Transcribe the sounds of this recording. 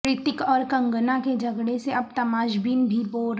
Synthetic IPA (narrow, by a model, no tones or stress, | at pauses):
ɾɪt̪ɪkɔːɾkɐ̃ŋɡənaked͡ʒɐɡɽeseɐb̚t̪ɐmaːʃbiːnbʱiboː